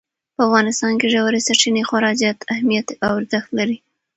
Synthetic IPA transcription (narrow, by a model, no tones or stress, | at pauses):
pəafɣɑnɪst̪ɑnkeʒawaɾesaɾt͡ʃinexwaɾɑd͡ʒɑt̪ahmijat̪awaɾzaxt̪laɾi